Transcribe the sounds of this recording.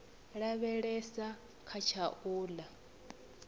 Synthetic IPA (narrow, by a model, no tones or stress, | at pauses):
ɺaβɛɺɛsa | kʰat͡ʃʰaʔuːla